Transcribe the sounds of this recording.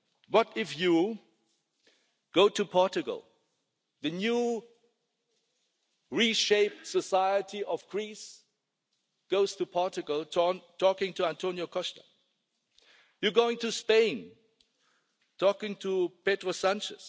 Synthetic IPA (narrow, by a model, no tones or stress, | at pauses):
bʌɾɪfju | ɡ̥oʊtʰɨpʰɔɹt͡ʃɨɡə̰l̩ˠ | ðɨnju | ɹiʃeɪp̚tsəsaɪətiʔʌvɡɹis | ɡ̥oʊz̥tʰupʰɔɹt͡ʃɨɡl̩ˠtʰɔkɪ̃ŋtʰuæ̃ntʰõʊnjokʰɔʃtə | jɨɡoʊɪ̃ŋtʰɨspẽɪ̃n | tʰɔkɪ̃ŋtʰupetɹosæ̃nt͡ʃɨ̰s